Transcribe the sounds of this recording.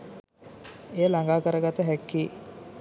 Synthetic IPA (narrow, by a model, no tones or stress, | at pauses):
ejəlaŋɡaːkəɾəɡat̪əɦækːiː